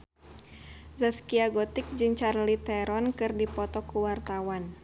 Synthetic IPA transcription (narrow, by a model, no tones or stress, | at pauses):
zaskiaɡɔt̪ɪk̚d͡ʒɨŋt͡ʃarlit̪ɛɾɔnkɨrdipɔt̪ɔkuwart̪awan